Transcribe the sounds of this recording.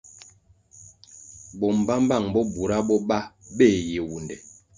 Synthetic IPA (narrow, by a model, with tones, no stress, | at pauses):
bɔ˨m˨ba˦m˦ba˦˨ŋbɔ˦bu˨ɾa˦bɔ˦ba˦be˦˨je˨wu˨ndɛ˨